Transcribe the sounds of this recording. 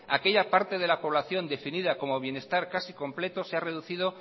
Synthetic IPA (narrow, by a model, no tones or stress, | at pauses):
ake̞ʎapaɾt̪e̞ð̞e̞lapo̞β̞laθjo̞nd̪e̞finiðako̞mo̞β̞je̞ne̞st̪aɾkasiko̞mple̞t̪oseare̞ð̞uθið̞o̞